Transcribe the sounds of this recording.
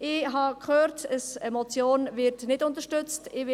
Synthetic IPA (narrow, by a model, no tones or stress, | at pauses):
ʔɪɦɑkʰχøːɾtəsɛmɔt͡sjoːnvɪɾtnɪdʊnt̪əʃtʏt͡stɪʋɪ